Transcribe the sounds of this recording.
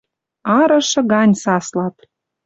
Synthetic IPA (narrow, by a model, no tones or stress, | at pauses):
ɑɾɤ̆ʃɤ̆ɣɑnʲsɑslɑt̪